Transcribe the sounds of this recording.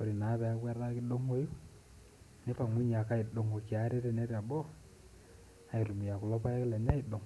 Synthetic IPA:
ko˨ɾi˨na˨˦bɛ˨a˨˦ɡwa˦ɾa˦kɪ˦do˦ŋo˦ju˦ | ne˦pa˨ŋi˦ɲa˨ka˦i˨do˨ŋo˨ki˨a˨˦ɾe˦ɾe˦ne˦ɾa˨bɔ˦ | a˨i˨ɾu˨mi˨ja˨kʊ˨lɔ˦pa˦ja˦klɛ˨ɲa˦i˨do˨ŋ

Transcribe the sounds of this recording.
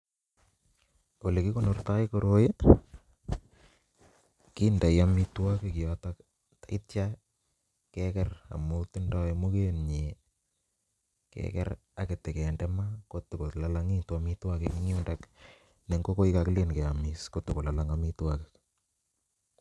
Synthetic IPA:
o˨le˨ki˦ko˦no˨rta˦ɪkoɾoje˦ | ki˦nda˨ja˦mitwa˦ke˦ki˨ɔtak | ta˨ɪ˦tja | kɛkɛra̰˨mu˦tɪndɔ˦emu˦ke˦nɲe˨ | kɛ̰kɛ̰˦ɾ | a˨ke˨te˨kɛ˨ndɛmako˦tʊ˨ko˨tlalaŋi˦twamitwa˦kekiŋi˦u˦ndak | ne˨ŋɡo˦ko˦ɪ˦kakle˦nkɛ˨amɪskotʊ˨ko˨la˨laŋamitwa˦kek

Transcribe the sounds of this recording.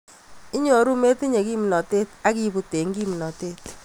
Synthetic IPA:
ɪ˦ɲo˨˦ɾu˦me˦ti˦ɲe˨ki˦m˨nɔ˨te˦ta˦ki˦˨bu˨te˨ŋɡi˦m˨nɔ˨te˦t

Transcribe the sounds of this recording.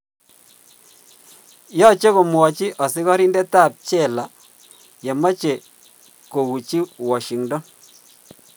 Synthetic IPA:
jɔ˦t͡ʃe˦ko˨mwɔ˨t͡ʃi˦ʔɔ˨sɪ˦kɔ˦ɾi˦nde˦ta˦˨p̚t͡ʃɛ˦˨la˨ | je˨mɔ˦t͡ʃe˨ | ko˨ɣu˨t͡ʃi˦wɔ˨ʃi˨ŋdɔ˦

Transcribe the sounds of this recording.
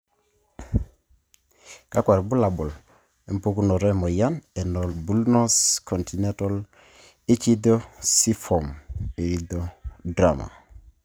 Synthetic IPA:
ka˦kwa˨ɾbu˦la˨bɔ˨l | ɛ˨m˦po˦ku˦nɔ˨ɾɛ˦mɔ˨ja˦nɛ˨nɔ˨lbu˦lnɔ˦skʰɔ˨nti˨nɛ˦tɔ˦l | i˦t͡ʃi˦d̪ɔ˦si˦fɔ˨me˨ɾi˦dɔ˦dɾa˨ma̰˨

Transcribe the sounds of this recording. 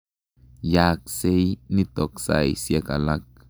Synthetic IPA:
ja˧k̚se˦jni˦t̪o˨ksa̰˧jsje˧ka˨la˦k̚

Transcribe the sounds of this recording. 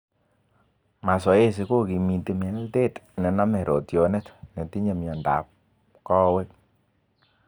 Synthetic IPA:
ma˨sɔ˨˦e˦s̬i˨˦ko˦ki˨mi˨te˦mɛ˨˦lte˦tnɛ˨na˦mɛ˨ɾʔo˨tjɔ˨nɛ˦tne˨ti˦ɲe˦˨mja˨nda̰˨p̚ | kɔ˦we˦

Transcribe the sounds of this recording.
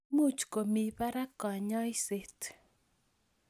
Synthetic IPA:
mu˦˨t͡ʃko˨mi˨pa˦ɾa˦kɔ˨ɲɔ˦ɪ˦se˨t

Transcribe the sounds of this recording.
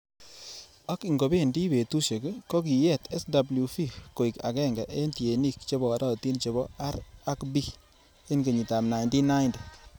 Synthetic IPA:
a˦ki˨ŋɡo˨be˦˨ndi˦be˨tu˦ʃe˨kko˦ki˨jɛ˦tɛ˦sda˨blu˨fi˦ko˨i˨ka̰˨kɛ˦˨ŋɡɛ˨ʔe˦nti˨e˨ni˦kt͡ʃe˦bɔ˨ɾɔ˦ti˦nt͡ʃe˨βɔ˦a˦ɾa˦kbi˦ | e˦nke˨ɲi˨ta˨mna˨jndi˦na˦jnd

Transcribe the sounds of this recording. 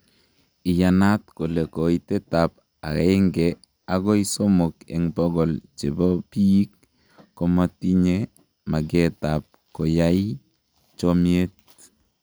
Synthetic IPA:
i˨ja˨na˦tko˨le˨ko˨itɛ˦ta˨p̚ | a̰˨ke˦ŋɡɛ | a˨ɡɔ˦i˦so˦mo˨kɛ̰˨ŋbɔ˦ɡɔ˨lt͡ʃe˨bɔ˦pi˦i˦kː | ɔ˨ma˦ti˦ɲe | ma˨ɡɛ˦tap̚ko˨ja˦i | t͡ʃomie˦t̚

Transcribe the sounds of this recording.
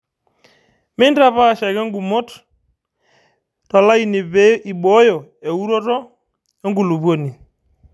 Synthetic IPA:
mɪ˦nda˦pa˦˨ʃɛ˨kɛ˦ŋɡu˨mo˦t | tɔ˨la˦i˨n˨˦i˨ɓo˦jɔ˨e˨u˦ɾo˦tɔ˦ | e˦ŋɡu˨lu˨βwo˦ni˨

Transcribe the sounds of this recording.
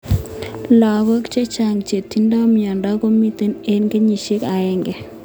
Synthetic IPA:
la˨βo˦kt͡ʃe˦t͡ʃa˨ŋt͡ʃe˨tːi˦nda˦mja˨nda˦ko˦mi˦te˦ne˦nke˦ɲi˨ʃe˦ka˨ɛ˦ŋɡɛ˨

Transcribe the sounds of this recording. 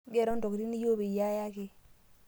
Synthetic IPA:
ɡe˦˨ɾo˦nto˨kɾi˦ni˦jo˦be˨ja˦ja˦ki˨

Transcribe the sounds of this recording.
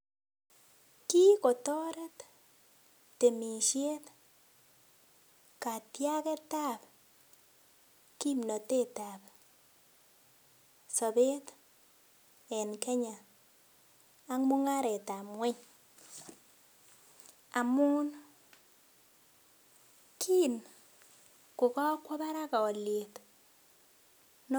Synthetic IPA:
ki˦kɔ˨tɔ˦ɾe˦t | te˨mi˨ʃje˦t̪ | ka˨tja˦kɛ˦ta˦˨p̚ | ki˦mnɔ˨te˦ta˨p | sɔ˨be˦t̪ | ɛ˨nkɛ˦ɲa˨˦ | ŋmʊ˦ŋa˦ɾɛ˨ta˨mwɛ˦ɲ | a˨mʊ˦n | kʰi˦˨n | kʊ˨kɔ˦kwɔ˦ba˦ɾa˦ka˨ɔ˨lje˨t | n

